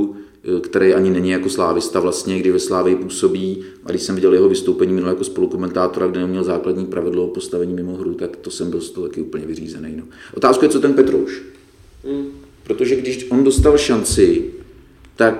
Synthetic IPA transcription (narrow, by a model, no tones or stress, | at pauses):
kt̪ɛɾɛjʔaɲɪnɛɲɪjako̞slaːvɪst̪avlast̪ɲɛɡdɪʃvɛslaːvɪɪpuːso̞biː | ʔa̰ɡdɪʃsɛmvɪɟɛljɛɦo̞vɪst̪owpɛɲiːmɪnuljakospo̞luko̞mɛnt̪aːt̪o̞ɾaɡdɛnɛmɲɛlzaːkladɲiːpɾavɪdlopo̞st̪avɛɲiːmɪmo̞ɦɾut̪akt̪osɛmbɪlst̪oɦot̪akɪʔuːpl̩ɲɛvɪrḭːzɛnɛjno̞ʔot̪aːskujɛt͡sot̪ɛnpɛt̪ɾo̰wʃ | pɾot̪o̞ʒɛɡdɪʃʔo̞ndo̞st̪alʃant͡sɪ | t̪ak